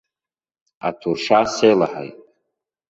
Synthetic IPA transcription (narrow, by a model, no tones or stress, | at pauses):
a̰tʰurʂasejla̰ħa̰jtʼ